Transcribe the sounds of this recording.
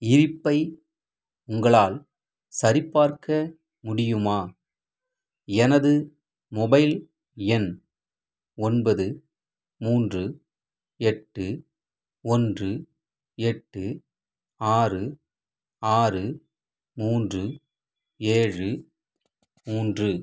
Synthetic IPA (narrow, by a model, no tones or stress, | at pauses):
ɪɾɪpːɐɪ | ʊŋɡɐɭaːl | sɐɾɪpːaːɾkɐ | mʊɽɪjɯmaː | ɛnɐðɯ | mɔbɐɪl | ɛn | ɔnbɐðɯ | muːndrɯ | ɛʈːɯ | ɔndrɯ | ɛʈːɯ | aːrɯ | aːrɯ | muːndrɯ | eːɻɯ | muːndrɯ